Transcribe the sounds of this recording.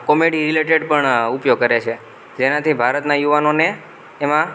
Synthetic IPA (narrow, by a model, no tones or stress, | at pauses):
kɔmeɽiɾileʈeɖpəɳupjoɡ̚kəɾet͡ʃʰe | d͡ʒenat̪ʰibʱaɾət̪najuʋanoneː | mã